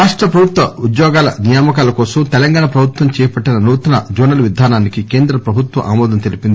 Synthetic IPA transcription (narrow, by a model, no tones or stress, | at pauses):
ɾaːʂʈɾɐpɐbʱut̪ʋɐud̪jɔːɡaːlɐ̰nijaːmɐkaːlɐkɔːsɐmt̪ɛlɐŋɡaːɳɐpɾɐbʱut̪ʋɐmt͡ʃɛːjɐpɐʈːinɐnuːt̪ɐnɐd͡ʒuːnɐlɐʋid̪ʱaːnaːnikike̞ːnd̪ɾɐpɾɐbʱut̪ʋɐ̰ʔa̰ːmɔːd̪ɐnt̪elipind̪i